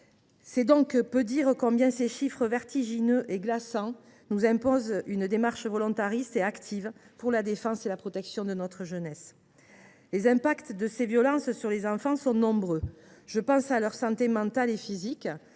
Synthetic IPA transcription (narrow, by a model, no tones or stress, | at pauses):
sɛd̪ɔ̃kpød̪iʁəkɔ̃bjɛ̃seʃifχəvɛʁt̪iʒinøʔeɡlasɑ̃ | nuzɛ̃pɔzynd̪emaʁʃvɔlɔ̃t̪aʁist̪eakt̪ʰivpuʁlad̪efɑ̃selapχɔt̪ɛksjɔ̃d̪ənɔt̪χəʒənɛs | lezɛ̃pakt̪d̪əsevjɔlɑ̃ssyʁlezɑ̃fɑ̃sɔ̃nɔ̃bʁøʒ̥əpɑ̃salœʁsɑ̃t̪emɑ̃t̪alefizik